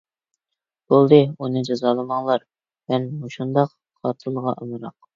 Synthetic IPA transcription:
b̥olˠd̪ɨunɨd͡ʒɑzɑːlˠɨmɑŋlˠɑɾ | mɛnmuʃund̪ɑq | χɑːt̪ʰɨlˠʁɑʔəmɨɾɑq̚

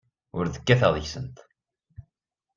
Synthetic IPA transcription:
ʊɾðəkːæθæðˤiçsənt̪

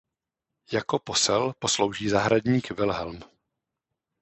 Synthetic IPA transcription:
jako̞po̞sɛlpo̞slo̞wʒiːzaɦɾadɲiːkvɪlɦɛlm

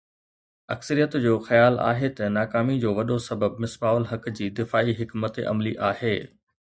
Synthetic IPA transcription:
ɐ̰ksəɾijət̪d͡ʑoːxɐjaːla̰ːɦet̪ɐnaːkaːmid͡ʑoːʋɐɗosɐbəb̚mɪsbaːəlɦɐkd͡ʑiːd̪ɪfaːiɦɪkmət̪ḛʔɐ̰mliʔaːɦeː

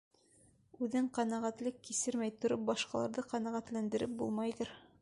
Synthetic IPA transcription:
ʉðɘɴqɑnæʁæt̪lɘkːisɘɾmæjt̪ŏɾop̚bɑʃqɑlˠɑ̰ɾðɤqɑnæʁæt̪lænd̪ɘ̆ɾɘp̚bṵlˠmɑjðɤɾ

